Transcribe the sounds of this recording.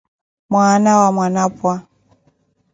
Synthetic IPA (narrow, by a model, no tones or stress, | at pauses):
mwanawamwanapwa